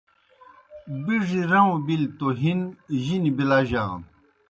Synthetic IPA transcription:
biʐiɾɐwõbilt̪oɦinʑinibilaʑaːn

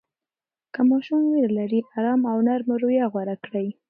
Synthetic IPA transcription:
kəmɑʃumweɾlaɾiaɾɑmawnaɾmaɾojaɣwaɾakɽəj

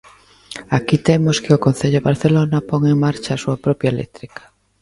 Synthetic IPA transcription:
akit̪emoskeokõn̟θeʎoβaɾθelonapoŋeŋmaɾt͡ʃaːsuapɾɔpjaelḛt̪ɾikḁ

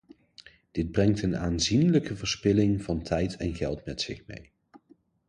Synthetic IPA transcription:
d̥ɪd̚brɛŋtənaːnzinləkəvəɹspɪlɪŋvɑntʰɛjtʰɛnɣɛlˠtmɛtsɪχmḛj

